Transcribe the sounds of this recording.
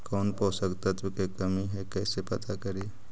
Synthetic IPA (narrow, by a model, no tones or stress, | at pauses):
koːnposəkt̪ət̪ʋikekəmiɦɛkəɪsepət̪ʰakəɾi